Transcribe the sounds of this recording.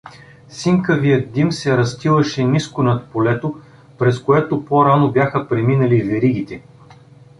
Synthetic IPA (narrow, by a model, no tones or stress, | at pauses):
siŋkəvijət̪̚d̪imsɛɾɐst̪ilˠɐʃɛniskonɐt̪̚polɛt̪o | pɾɛskoɛt̪opoɾanobjaxəpɾɛminɐlivɛɾiɡ̟it̪ɛ